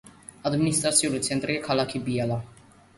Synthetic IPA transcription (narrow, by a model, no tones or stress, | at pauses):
ad̪minist̪ɾat̪siuɾut̪sɛnt̪ɾjɛkʰalakʰibiala